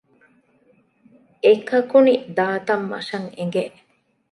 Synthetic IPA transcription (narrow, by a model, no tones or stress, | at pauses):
ekɐkunid̪aːt̪ɐmːɐ̰ʂɐŋḛŋɡeʔ